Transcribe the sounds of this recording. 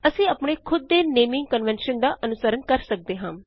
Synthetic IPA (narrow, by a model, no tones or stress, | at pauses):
əsĩːəpɳeːkʰʊd̪̚ːeːneːmɪ̃ŋɡ̚kənʋɛnʃənd̪aːʔənʊsəɾənkəɾsək̚d̪eːɦãː